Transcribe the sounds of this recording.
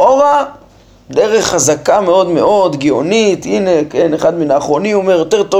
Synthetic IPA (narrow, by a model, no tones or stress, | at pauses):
ova | d̪eʁe̞χːazakameo̞d̪me̞̰ʔo̞d̪ɡio̞nit̪ine̞keneχad̪minaːχʁo̞niomeʁjot̪eʁt̪o